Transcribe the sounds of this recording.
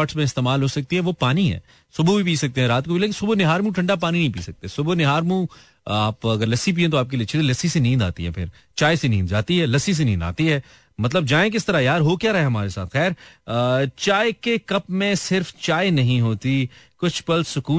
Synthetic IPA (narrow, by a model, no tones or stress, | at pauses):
ʈsmẽɪst̪eːmaːlɦoːsɐk̚t̪iɦɛʋoːpaːniɦɛ̰ː | sʊbubʱipiːsɐk̚t̪eɦɛ̃ɾaːt̪kobʱileːk̬ɪ̃sʊbonɪɦaːɾmũʈʰɐ̃ɳɖapaːninɐ̃ɦĩpḭːsɐk̚t̪esʊbonɪɦaːɾmũ | aːpɐɡəɾlɐsip̬iːẽt̪oaːp̚keliɪt͡ʃʰiet̪ilɐsisenĩːnd̪a̰ːt̪ḭɦɛ̰pʰɪ̰ɾ | t͡ʃaːesenĩːnd̪d͡ʒa̰ːt̪iɦɛːlɐsis̬enĩːnd̪a̰ːt̪iɦɛː | mɐt̪ləbd͡ʒaːẽk̬ɪst̪ɐɾajaːɾɦokjaːɾɐɦeɦɐmaːɾesa̰ːt̪xɛːɾ | t͡ʃaːekekɐpmẽsɪɾft͡ʃaːenɐɦĩɦoːt̪ikʊt͡ʃʰpɐlsʊkuː